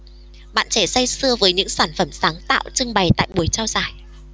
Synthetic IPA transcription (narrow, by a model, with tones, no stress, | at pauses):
ɓa̰ː˧˨nt͡ɕɛ˧˩sa˧jsɨ˧əvəː˨˦jɲɨ̰˧˥ŋsaː˧˩nfə˧˩msaː˨˦ŋt̪a̰ː˧˨wt͡ɕɨ˧ŋɓa˨˩jt̪a̰ː˧˨jɓu˨˩əjt͡ɕaː˧wzaː˧˩j